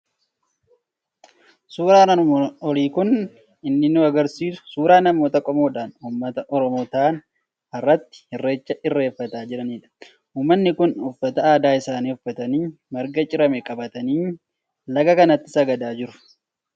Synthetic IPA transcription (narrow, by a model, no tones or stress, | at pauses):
suːɾaːnɐɔliːkʊn | ɪnːɪnuɐɡɐɾsiːsʊ̥suːɾaːnɐmːo̞ːt̪ɐkʼɔmo̞ːᶑaːnuːmːɐt̪ɐʔɔɾɔmoːt̪aːn | ɐrːɐt̪ːɪ̥hɪrːe̞ːt͡ʃːɐʔɪrːe̞ːfːɐt̪aːd͡ʒɪɾɐniːᶑɐ̥ | uːmːɐnːɪkʊnʊfːɐt̪ɐaːd̪aːɪsaːniːʊfːɐt̪ɐniː | mɐɾɡɐt͡ʃʼɪɾɐmɛkʼɐbɐt̪ɐniː | lɐɡɐkɐnɐt̪ːɪ̥sɐɡɐd̪aːd͡ʒɪɾʊ̥